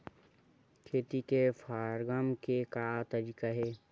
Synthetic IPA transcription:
kʰeːt̪ikefʰaːɾɡamkekat̪ɐɾiːkaɦɛː

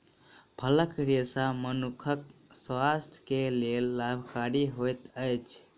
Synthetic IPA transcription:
pʰələkɾesamənukʰəkswast̪ʰjkelelːabʱkaɾiɦojt̪əjt͡ʃʰ

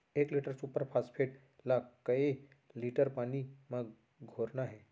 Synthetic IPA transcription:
ekliʈəɾsuːpəɾpʰaspʰeʈ | lakəe | liʈəɾpaniməɡ | ɡʱoɾnaɦe

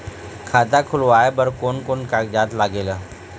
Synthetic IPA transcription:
kʰaːd̪akʰʊlʋaːebəɾkoːnkoːnkaːkd͡ʒaːd̪laːɡeːla

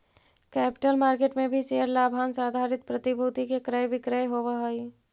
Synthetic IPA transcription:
kɛːpɪ̥ʈəlmaːɾkeːʈmẽbʱiseːəɾlaːbʱaːnsaːd̪ʱaːɾɪt̪pɾɐt̪ɪbʱuːt̪ikekɾəjʋɪkɾəjɦoːʋaɦoi

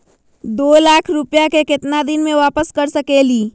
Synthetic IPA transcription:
d̪oːlaːkʰɾʊpjakekɪt̪nad̪ɪnmẽʋaːpəskəɾsəkeːliː

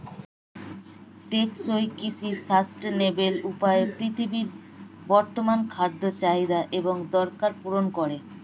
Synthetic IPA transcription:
ʈeksojkisisasʈnebelupaepɾit̪ʰibiɾ | bɔɾt̪omankʰaɾd̪ʱːot͡ɕaid̪aʔeboŋd̪ɔɾkaɾpuɾonkoɾe

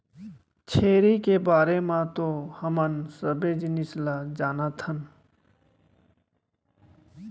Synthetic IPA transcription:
t͡ʃʰeːɾikebaːɾemãt̪ohəmənsəbed͡ʒnɪslad͡ʒaːnat̪ʰən

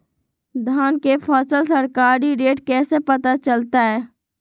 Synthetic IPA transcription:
d̪ʱaːnkepʰɔːsəlsəɾkaːɾiɾeːʈkɛːsepɐt̪at͡ʃəlt̪aɦɛː

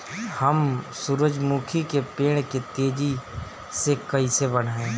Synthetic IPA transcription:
hɐmsuɾəd͡ʒmuːkʰikepeːɽ̃ket̪eːd͡ʒi | sekɐisebəɽ̤ẽː

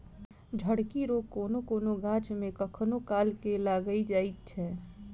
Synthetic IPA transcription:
d͡ʒʱəɽkiɾokːoːnokoːnoɡãːt͡ʃmẽkəkʰnokaːlkelaːɡəid͡ʒaːit̪̚t͡ʃʰɛ

